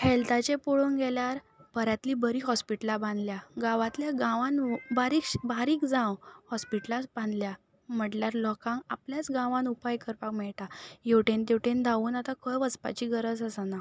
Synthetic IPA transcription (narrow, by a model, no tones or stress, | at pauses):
held̪at͡ɕẽpoɭonɡɛljaɾ | pəɾjat̪liːbəɾiːɦɔspiʈəlabãnd̪ljaɡãʋãt̪ljaɡãʋãnbaɾiːkɕbaɾiːkd͡zãwhɔspiʈlasbãnd̪lja | m̤əʈljaɾlɔkãŋkapljat͡sɡãʋãnupajkəɾpakmɛɭʈajewʈẽnt̪ewʈend̪aʋuːnat̪akʰəjʋət͡spa̰t͡ɕiːɡəɾəd͡zəsana